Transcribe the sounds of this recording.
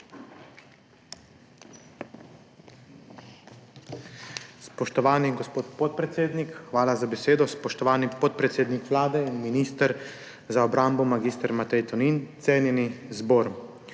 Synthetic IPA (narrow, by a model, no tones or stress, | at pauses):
spɔʃt̪ɔʋaːniɡɔspoːt̪pot̪̚pɾɛt̪seːd̪nikxʋaːlazabɛseːd̪ɔspɔʃt̪ɔʋaːnipɔt̪̚pɾɛt̪seːd̪nikʋlaːd̪ɛinminiːst̪ɾ | zaɔbɾaːmbɔmaɡiːst̪əɾmat̪ɛjt̪ɔnint̪seːnjɛnizboːɾ